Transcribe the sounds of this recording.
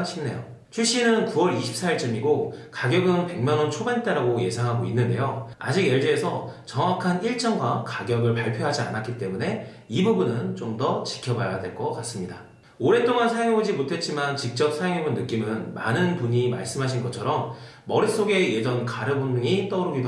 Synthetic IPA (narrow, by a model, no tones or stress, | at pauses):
ɕʰimne̞̰jo̰ | t͡ɕʰuɭɕ͈inɯnkuwʌɾiɕʰi̥p̚s͈aiɭt͡ɕɯmiɡokaɡjʌɡɯnpe̞ŋmanʌnt͡ɕʰobent͈eɾaɡoje̞sʰaŋɦaɡoinːɯnde̞joa̰d͡ʑiɡjeɭd͡ʑeːsʰʌt͡ɕʌŋwakʰaniɭt͡ɕ͈ʌnɡwakaɡjʌɡɯɭpaɭpʰjoɦad͡ʑia̰nak͈it͈e̞mune̞ | ibubunɯnt͡ɕomdʌt͡ɕi̥kʰjʌbajadwe̞ɭk͈ʌk͈as͈ɯmɲida | oɾe̞t͈oŋansʰajeŋebod͡ʑimotʰe̞t̚t͡ɕ͈imant͡ɕik̚t͡ɕ͈ʌp̚sʰajeŋebɯnːɯk͈imɯnma̰nɯnpuɲima̰ɭs͈ɯmɦaɕ̬ʰinɡʌt͡ɕʰʌɾʌmː | ʌɾis͈oɡe̞je̞d͡ʑʌnkaɾɯbonduŋit͈ʌɾoɡib